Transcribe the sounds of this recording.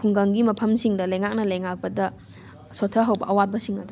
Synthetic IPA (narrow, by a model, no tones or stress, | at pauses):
kʰuŋɡɐŋɡimɐpʰɐmsiŋdɐlɐjŋak̚nɐlɐjŋak̚pɐdɐ | sotʰːɐɦɐwbɐʔɐwat̚bɐsiŋɐdu